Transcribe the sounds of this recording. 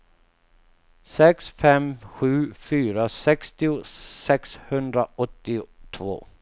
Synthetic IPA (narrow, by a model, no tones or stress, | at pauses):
sɛksfɛmɧʉ̟ːfyːɾasɛkst̪ɪʊsɛkshɵnd̪ɾaʔɔt̪ːɪt̪ʰvo̰ː